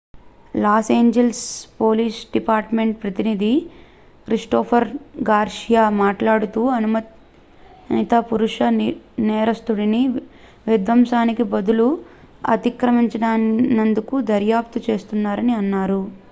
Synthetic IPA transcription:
laːseːɲd͡ʒelspo̞ːliːsɖipaːɾʈme̞ɳʈ̚pɾɐt̪inid̪i | kɾiʂʈoːpʰɐɾɡaːɾʂijamaːʈlaːɽut̪uːɐnumɐt̪ | nit̪ɐpuɾuʂɐnɛːɾɐst̪uɽini | ʋid̪ʋɐmʃaːnikibɐd̪ulu | ɐ̰t̪ikɾɐmiɲt͡ʃɐɖaːnːɐnd̪ukud̪ɐɾjaːp̚t̪ut͡ʃe̞ːst̪unːaːɾɐniɐnːaːɾu

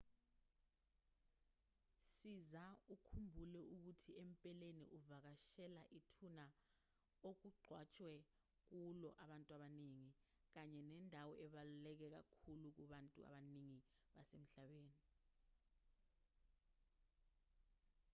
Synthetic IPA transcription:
sizaukʰumbʱulɛuk̬utʰiempʼɛlenḭʔuvak̬aʃɛlaʔitʰuna | ok̬uɡ͡ǃʱwat͡ʃʼwɛ | k̬ulɔ̰ʔaɓantʼuaɓaneŋi | k̬aɲɛnɛndʱawɔʔɛɓalulɛk̬ɛk̬a̰kʰuluk̬uɓantʼṵa̰ɓaniŋi | ɓasem̩ɬaɓeːni

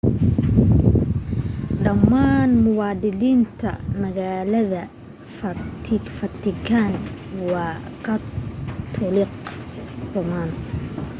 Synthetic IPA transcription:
ɖɐmːaːnmʊwɑːd̪ɪliːnt̪ʰɐ̰mɐɣaːlɐðɐ | fɐfɐt̪ʰɪkʰanwɑːqɑd̪ʰ | ʊlɪqdʊmaːn

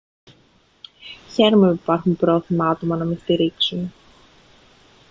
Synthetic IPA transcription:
çɛɾmʏparkʏmpɾoθɪmaːt̪umanamɛst̪ɪɾɪksʏn

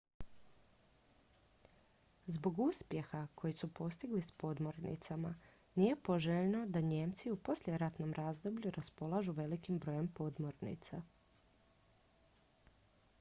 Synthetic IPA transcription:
zbo̞ɡuspje̞xakʰo̞jisupo̞st̪iɡlispo̞d̪moɾnḭt̪sama | nije̞po̞ʒeʎno̞d̪aɲe̞mt̪siupo̞slje̞ɾat̪no̞mɾʔazd̪o̞bʎuɾʔaspo̞lˠaʒuʋe̞likimbɾo̞je̞mpo̞d̪moɾnḭt̪sa

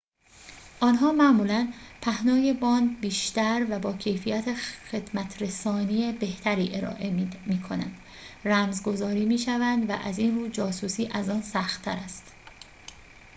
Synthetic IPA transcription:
ʔɒːnɦɒːmæʔmuːlænpʰæhnɒːje̞bɒːnbiːʃt̪æɾvæbɒːcʰe̞jfijæt̪ʰexe̞d̪mæt̪ʰɾe̞sɒːniebe̞ht̪ʰæɾiːʔe̞ɾɒ̰ːʔemiːkʰo̞næ̰nd̪ | ræmzɡo̞zɒːɾiːmiːʃævænd̪væ̰ʔæ̰zinruːd͡ʒɒːsuːsiːʔæzɒːnsæxt̪ʰːæɾæst̪

